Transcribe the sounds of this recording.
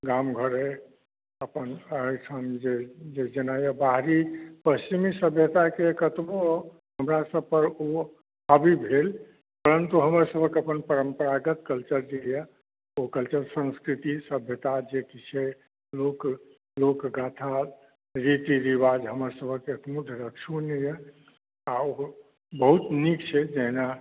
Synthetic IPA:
ɡamɡʱəɾe | əpənəsʰənd͡ʒed͡ʒed͡ʒenajəbaɦɾipəst͡ʃimisəbʱjət̪akekət̪bo | ɦəmɾasəb̚ʱpəɾo | əbʱibʱel | pəɾənt̪uɦəməɾsəbʱəkəpənpəɾəmpəɾaɡət̪kəlt͡ʃəɾd͡ʒeja | okəlt͡ʃəɾsə̃nskɾit̪isəbʱjət̪ad͡ʒekit͡ʃʰɛ | lok | lokɡat̪ʰa | ɾit̪iɾiʋad͡ʒɦəməɾsəbʱəkekmud̪ʱəɾəkt͡ʃʰunejɛ | ao | bəɦut̪nikt͡ʃʰɛd͡ʒɛɦna

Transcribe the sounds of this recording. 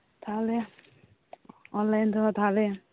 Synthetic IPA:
t̪ʰalɛ | ɔnlajnt̪ʰɔɔt̪ʰalɛ

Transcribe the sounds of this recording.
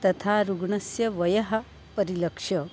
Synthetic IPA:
t̪ɐt̪ʰaːɾuɡɳɐsjɐʋɐjɐɦɐ̆ | pɐɾilɐkʂɐ

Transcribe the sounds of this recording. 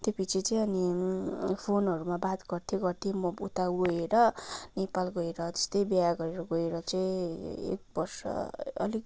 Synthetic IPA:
t̪epit͡sit͡saĩʌni | pʰonʌɾumabat̪ɡʌrt̪ʰjiɡʌrt̪ʰimʌut̪awɡoeɾʌnepalɡʌeɾʌd͡zʌ̥st̪ʌjbjaɡʌɾeɾʌɡʌeɾʌt͡saĩḛk̚bʌrsʌ̰ʌ̰lik

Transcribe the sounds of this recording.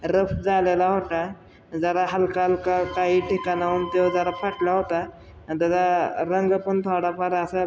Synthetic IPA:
ɾəpd͡zalelaɦoʈ̪a | d͡zaɾaɦəlkalkakaɦiːʈʰikanaunt̪ed͡zaɾapʰaʈlaɦot̪a | t̪ad̪aɾəŋɡəpəɳt̪ʰoɽapaɾəsa

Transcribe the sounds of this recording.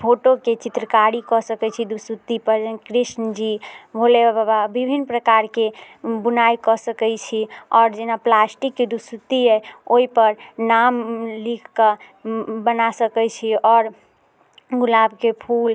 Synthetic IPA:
pʰoʈoket͡ʃit̪ɾəkaɽikɔsəkɛt͡ʃʰid̪usut̪ːipəɾd͡ʒənkɾisnəd͡ʒibʱolebabababibʱinpɾəkaɾke | bunajkɔsəkɛjt͡ʃʰiɔːɾd͡ʒenaplasʈikːed̪usut̪ːiɛoɦipəɾnamlikʰka | bənasəkɛt͡ʃʰiɔːɾ | ɡulabkepʰul

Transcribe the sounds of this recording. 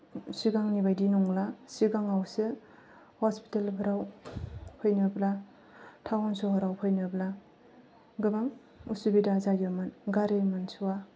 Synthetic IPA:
siɡaŋnibajdinɔŋlasiɡaŋawsɯ | hɔspi̥telpʰɯɾaw | pʰɔjnɯbla | tʰawansɔhɔɾawpʰɔjnɯbla | ɡɯbaŋ | usubidazajɯmɯnɡaɾemɯnsuwa

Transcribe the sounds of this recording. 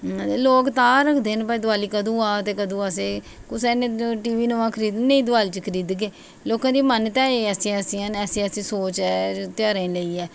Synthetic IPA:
loːkt̪ãːɾəkʰd̪eːnpaːid̪ʊaːliːkəd̪ũːaːt̪eːkəd̪ũːaseː | kʊsɛːnẽːʈiːʋiːnoãːkʰəɾiːd̪nẽĩːd̪ʊaːlːt͡ʃkʰəɾiːd̪keː | loːkãːd̪iːmənt̪ɛ̃ːeɛːsĩːɛsiənɛːsĩːəsĩːsoːt͡ʃɛːt̪jaːɾaĩləiːɛː

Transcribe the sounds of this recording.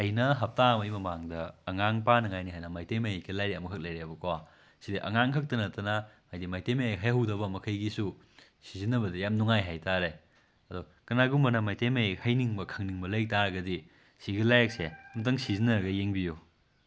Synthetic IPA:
ɐjnɐɦɐp̚tamɐjmɐmaŋdɐːŋaŋpanɐŋajniɦajnɐmajtemɐjkʰilajɾiɐmɐkʰɐk̚lɐjɾebɐkowa | sidiʔɐ̰ŋaŋkʰɐk̚tɐnɐtɐnɐmajdimajtemɐjeɦajɦɐwdɐbɐmɐkʰɐjɡisu | sizinːɐbɐdɐjamnuŋajɦajtaɾe | ɐdu | kɐnaɡumɐnɐmajtemɐjhɐjniŋbɐkʰɐŋniŋbɐlɐjtaɾɐɡɐdi | siɡilajak̚semt̬ɐŋsizinɐɾɐɡɐjeŋbiju

